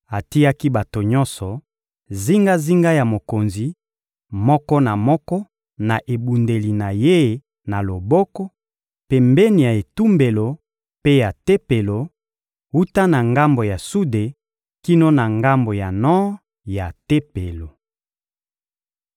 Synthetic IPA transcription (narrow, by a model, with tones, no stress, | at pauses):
a˨ti˦ja˦ki˦ba˨to˨ɲɔ̃˦nsɔ˨ | zi˦ŋɡa˦zi˦ŋɡa˦ja˨mo˨ko˨nzi˨ | mɔ˦kɔ˦na˨mɔ˦kɔ˦ | na˨ʔe˨bu˨nde˨li˨na˨je˦ | na˨lo˨bɔ˦kɔ˦ | pe˨mbɛ˦ni˨ja˨e˨tu˦mbe˨lo˨ | pe˦ja˨te˦pe˨lo˨ | hu˦ta˦na˨ŋɡa˦mbo˨ja˨su˦de˨ | ki˦no˦na˨ŋɡa˦mbo˨ja˨nɔ̃˦ | ja˨te˦pe˨lo˨